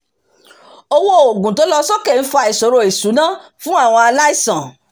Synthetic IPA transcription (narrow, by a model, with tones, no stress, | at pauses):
o˧wo˦˨o˨ɡũ˨to˨˦lɔ˦sɔ˦kɛ˦˨n̩˦fɔ˧a˧i˨so˨ɾo˧˨i˨sũ˨˦nã˦fũ˦a˦˨w̃ɔ̃˧a˧la˦i˦˨sã˨